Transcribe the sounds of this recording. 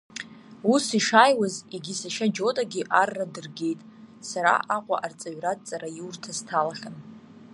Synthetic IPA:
usiʂaːjwaziɡʲisaʃad͡ʒo̞tʼaɡʲiʔarːadɨrɡʲe̞jtʼ | saɾa̰ʔaqʷʼa̰ʔart͡sʼaɥratʼt͡sʼaɾajurtʰaztʰalaχʲan

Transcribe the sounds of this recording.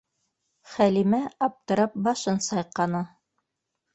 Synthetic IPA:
χælimæɑp̚t̪ɤ̆ɾɑp̚bɑʃɤnsɑjqɑnɤ

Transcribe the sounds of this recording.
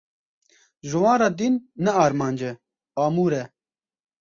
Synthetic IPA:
ʒɨwɑ̃ːnɾɑːd̪inːɛɑːɾmɑːnd͡ʒɛ | ɑːmuːɾɛ

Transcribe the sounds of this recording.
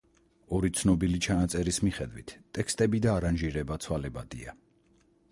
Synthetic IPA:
ɔɾit̪sʰnɔbilit͡ʃʰanat̪sʼɛɾismiχɛd̪wḭt̪ʰʼːɛkst̪ʼɛbid̪aːɾanʒiɾɛbat̪sʰwalɛbad̪ḭa̰

